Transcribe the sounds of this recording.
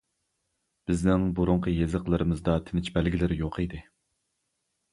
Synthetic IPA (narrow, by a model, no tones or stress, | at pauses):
b̥ɪznɪŋboɾuɴqʰəjezəqlˠɨɾɨmɨzd̪ɑt̪ʰɪnɪt͡ʃbælɡʲilɪɾɪjoqid̪ɨ